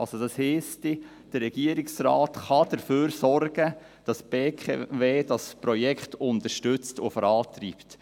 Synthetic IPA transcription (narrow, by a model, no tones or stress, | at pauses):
ɑlsod̥ɑshiːsti | d̥əɾːɛɡ̥iəɾiksraːtχɑd̥əɾføːɾsɔrɡ̥ə | d̥ɑsb̥eːkʰḛveːd̥ɑspɾɔjɛkχtʊntəʃtʉt͡stʊ̰fɔɾɑːtɾiːpt